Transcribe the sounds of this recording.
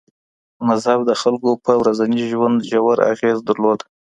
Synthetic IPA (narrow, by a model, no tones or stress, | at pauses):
mazhab̚d̪əxalkopəwɾazaniʒwand̪ʒawaɾa̰ɣezd̪əɾlod̪a